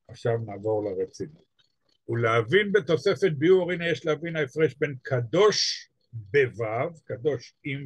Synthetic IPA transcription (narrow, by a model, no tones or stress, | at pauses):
aχʃavnaːvo̞ʁlaʁet͡sinut | uleavinbet̪o̞se̞fet̪̚biuʁinajeʃleavinaefʁeʃbe̞nkʰad̪o̞ʃ | bevavkad̪o̞ʃim